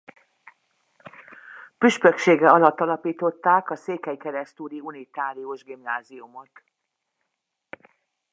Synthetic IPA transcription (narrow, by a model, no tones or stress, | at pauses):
pyʃpøkʃeːɡɛɒlɒt̪ːɒlɒpiːt̪o̞t̪ːaːkɒseːkɛjkɛɾɛst̪uːɾiunit̪aːɾioʒɡimnaːziumo̞t̪